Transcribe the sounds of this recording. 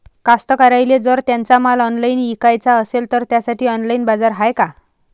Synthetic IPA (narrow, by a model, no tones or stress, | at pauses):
kast̪əkaɾajled͡zəɾt̪jant͡samalɔnlainikajt͡saəselt̪əɾt̪jasaʈʰiːɔnlainbad͡zaɾɦajka